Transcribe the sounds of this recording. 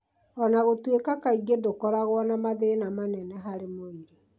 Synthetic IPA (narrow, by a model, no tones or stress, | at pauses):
ɔnaɣotwekakaiɡedokɔɾaɣwɔnamaðenamanɛnɛɦaɾemoeɾe